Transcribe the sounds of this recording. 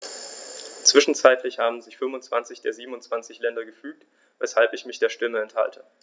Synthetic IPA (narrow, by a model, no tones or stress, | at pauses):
t͡sv̥ɪʃn̩t͡saɪtʰlɪçhaːbm̩zɪçfʏnmvʊntt͡sv̥ant͡sɪçd̥eːɐziːbm̩ʊnt͡sv̥ant͡sɪçlɛndɐɡəfyːk̚t | vɛshalpɪçmɪçd̥eːɐʃtɪməɛntha̰ltʰə